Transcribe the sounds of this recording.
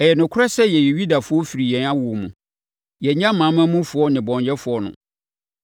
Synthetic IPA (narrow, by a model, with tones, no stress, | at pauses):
ɛ˨jɛ˨nʊ̃˨kʰʊ˦ɾa˦sɛ˦jɛ˨jɛ˨ɥu˦da˨fʊ˦ɔ˦fi˨ɾi˨jɛ̃˨na˦wu˨o˨mũ˨ | jɛ˨ɲã˦mãː˨˦mã˦mũ˦fʊ˨˦ɔ˦nɪ̃˨bɔ̃˨ɲjɛ˦fʊ˨ɔ˦nʊ̰̃˨